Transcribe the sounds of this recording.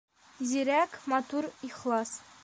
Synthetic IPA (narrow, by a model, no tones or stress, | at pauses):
ziɾækmɑt̪uɾiχlˠɑs